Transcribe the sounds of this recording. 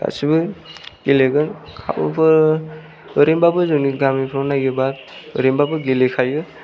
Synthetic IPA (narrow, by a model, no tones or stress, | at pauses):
a̰sibɯɡ̥eleɡɯnkʰa̰bɔ̰pʰɯ | ɔɾembabɯzɔniɡamipʰɾɔnaɡebat̚ | ɔ̰ɾembabɯɡelekʰajɯ